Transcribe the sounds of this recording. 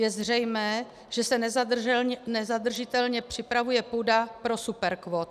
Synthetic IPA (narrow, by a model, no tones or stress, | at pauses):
jɛzr̝ɛjmɛː | ʒ̥ɛsɛn | nɛzad̪r̩ʒɪt̪ɛlɲɛpr̝̥ɪpɾavujɛpuːdapɾo̞supɛɾkvot̪